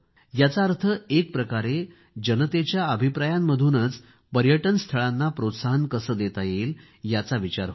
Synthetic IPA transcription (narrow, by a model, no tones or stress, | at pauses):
jat͡saəɾt̪ʰəek̚pɾəkaɾe | d͡ʑənət̪et͡ɕjaəbʱipɾajamːəd̪ʱuːnət͡s | pəɾjəʈənst̪ʰəɭanːapɾot̪saɦənkəsəːd̪et̪ajel | jat͡saʋit͡ɕaɾ